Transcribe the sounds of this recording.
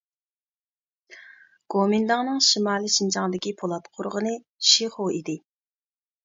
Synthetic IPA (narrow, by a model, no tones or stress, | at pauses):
ɡ̥omind̪ɑŋnɨŋʃimɑːlˠiʃint͡ʃʰɑŋd̪ɪkʲipʰolˠɑt̪qʰʊɾʁənɨ | ʃiχoid̪ɪ